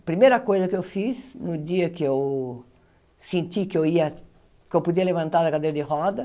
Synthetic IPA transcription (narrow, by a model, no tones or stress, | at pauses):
pɾimejɾɐkojzɐkɪewfisnʊd͡ʒ̪iɐkɪew | sẽnt̪ikewiɐ | kewpud̪iɐlevɐ̃nt̪aɾɐkad̪ejɾɐd̪ɪɦɔd̪ɐ